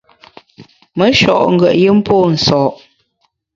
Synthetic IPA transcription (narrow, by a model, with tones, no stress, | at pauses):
mə˨˦ʃɔ̰˨ʔŋ̩˨ɡɥə˨ʔji˦m̩˦pʰoː˦˨n̩˨sɔː˨ʔ